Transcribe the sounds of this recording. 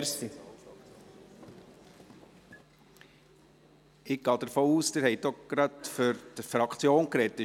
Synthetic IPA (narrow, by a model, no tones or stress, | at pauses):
i | ɪɡ̚ɡ̥ɑːd̥̪əɾfoːuːsd̥̪ɪɾhɛɪdɔɡ̥ɾɑt̪føɾtfɾɑkt͡sjoːnkɾɛt̪ːɪ